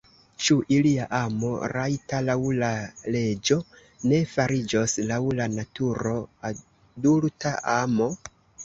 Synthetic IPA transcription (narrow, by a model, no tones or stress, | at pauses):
t͡ʃuʔiliaʔamo̞̰ɾajtalawlale̞d͡ʒo̞ | ne̞faɾid͡ʒo̞slawlanatuɾo̞a | dultaʔamo̞